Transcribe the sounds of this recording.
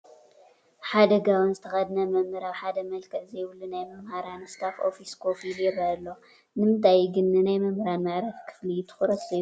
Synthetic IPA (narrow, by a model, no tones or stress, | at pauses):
ħad̪ɐɡawɨnzɨt̪ʰɐxɐd̪nɐmɐmːɨɾawħad̪ɐmɐlkʰɐʕzɐjwlːunajmɨmhaɾanɨst̪ʰafʔo̰fiskʰofiljɛɾalːo | nɨmɨnt̪ʰajɡɨnːɨnajmɐmhɾanmaʕɾɐfkʰɨ̥flit̪ʰɨ̥xuɾɐt̪zɐju